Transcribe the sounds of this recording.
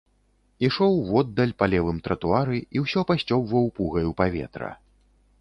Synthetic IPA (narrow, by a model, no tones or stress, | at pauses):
iʂɔwvɔd̪ːɐlʲpalʲɛvɨmt̪ɾɐt̪uaɾɨiwsʲɔpasʲt͡sʲɔbvɐwpuɣɐjupavʲɛ̰t̪ɾɐ̰